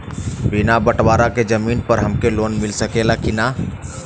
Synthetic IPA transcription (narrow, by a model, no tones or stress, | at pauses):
binabəʈwaɾaked͡ʒəmiːnpəɾɦəmkelonmilsəkelakina